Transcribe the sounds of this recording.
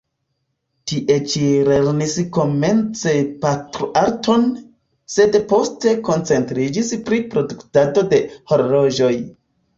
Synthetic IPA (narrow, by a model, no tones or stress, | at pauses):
tiʔe̞t͡ʃile̞ɾnisko̞me̞nt͡se̞patɾoʔaɾtʰo̞n | se̞dpo̞ste̞ko̞nt͡se̞ntɾid͡ʒispɾipɾo̞duktado̞de̞ho̞ɾlo̞ʒo̞j